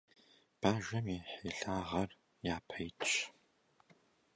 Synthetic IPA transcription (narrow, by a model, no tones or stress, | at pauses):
b̥aːʒɐmeːħeːɬaːʁɐr | jaːpʰɐjtʼ